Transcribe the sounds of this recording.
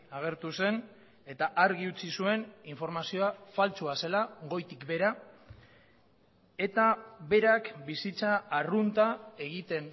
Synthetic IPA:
aɣ̞e̞ɾt̪use̞n | e̞t̪aʔaɾɣiut͡sisue̞niɱfo̞ɾmasioafalt͡suase̞laɣo̞jt̪ikbe̞ɾa | e̞t̪aβe̞ɾakbisit͡saːrunt̪ae̞ɣit̪e̞n

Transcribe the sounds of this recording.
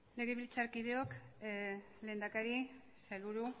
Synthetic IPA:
le̞ɣe̞βilt͡saɾkiðe̞o̞k | le̞ːnd̪akaɾi | saluɾu

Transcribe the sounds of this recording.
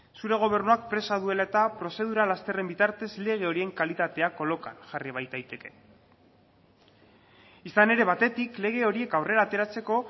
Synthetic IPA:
suɾe̞ɣ̞o̞β̞e̞rnuak̚pɾe̞sað̞ue̞lae̞t̪apɾo̞se̞ðuɾalast̪e̞re̞mbit̪aɾt̪e̞zle̞ɣ̞e̞o̞ɾie̞ŋkalit̪at̪e̞ako̞lo̞ka̰nʝariβajt̪ajt̪e̞ke̞ | isane̞ɾe̞β̞at̪e̞t̪ikle̞ɣ̞e̞o̞ɾie̞kawre̞ɾaːt̪e̞ɾat͡se̞ko̞

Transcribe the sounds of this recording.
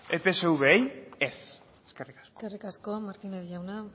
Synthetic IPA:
epe̞seuβejes | eskerikḁskso̥kerikasko̞maɾt̪ineðiʝawna

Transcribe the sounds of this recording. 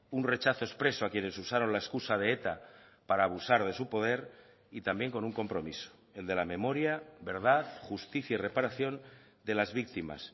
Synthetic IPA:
unre̞t͡ʃaθo̞e̞spɾe̞soakje̞ne̞susaɾo̞nlaeskusað̞e̞et̪a | paɾaːβ̞usaɾð̞e̞supo̞ð̞e̞ɾ | it̪ambje̞ŋko̞nuŋko̞mpɾo̞̰miso̥ | e̞ld̪e̞lamẽ̞mo̞ɾjaβe̞ɾð̞aðxust̪iθjaire̞paɾaθjo̞n | d̪e̞lazβik̚t̪ima̰s

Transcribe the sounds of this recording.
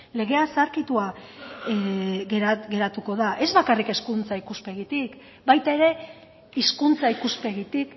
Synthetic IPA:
le̞ɣ̞e̞asaɾkit̪ua | ɣeɾaɡe̞ɾat̪uko̞ðaʔe̞zβakarike̞skunt͡saikuspe̞ɣit̪ik | bajt̪ae̞ɾe̞ | iskunt͡saikuspe̞ɣit̪ik

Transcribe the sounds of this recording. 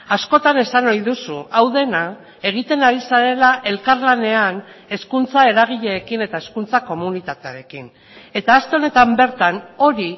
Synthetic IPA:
asko̞t̪ane̞sanojðusuʔawðe̞na | e̞ɣ̞it̪e̞naɾisaɾe̞laʔe̞lkaɾlane̞ane̞skunt͡sae̞ɾaɣ̞iʎe̞ːkine̞t̪ae̞skunt͡sako̞munit̪at̪eaɾe̞kin | e̞t̪aːst̪e̞o̞ne̞t̪ambe̞ɾt̪ano̞ɾi

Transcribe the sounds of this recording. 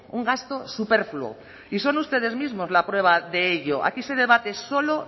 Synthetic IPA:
uŋɡast̪o̞supe̞ɾfluo̰ | iso̞nust̪e̞ð̞e̞zmizmo̞zlapɾwe̞β̞aðe̞eʎo̞ʔa̰kise̞ð̞e̞β̞at̪e̞so̞lo̞

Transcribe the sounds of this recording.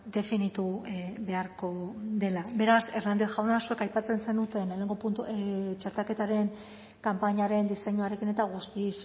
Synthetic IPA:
d̪e̞finit̪uβe̞aɾko̞ðe̞labe̞ɾase̞ɾnand̪eʝawnasue̞kajpat͡se̞nse̞nut̪e̞nle̞ne̞ŋɡo̞punt̪ut͡ʃaɾt̪ake̞t̪aɾe̞ŋ | kampaɲaɾe̞nd̪ise̞ɲuaɾe̞kine̞t̪aɣ̞ust̪is

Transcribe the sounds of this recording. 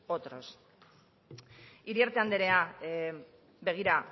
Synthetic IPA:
ot̪ɾo̞s | iɾieɾt̪eand̪e̞ɾe̞a | be̞ɣ̞iɾa

